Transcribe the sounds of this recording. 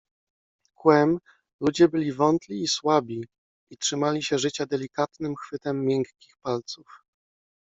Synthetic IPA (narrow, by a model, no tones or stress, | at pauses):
kwɛm | lud͡ʑɛbɘlʲivɔnt̪lʲiːswabʲi | itʂɘmalʲiɕɛʐɘt͡ɕad̪ɛlʲikat̪nɘmxfɘt̪ɛmːjɛŋkːʲi̥xpalt̪suf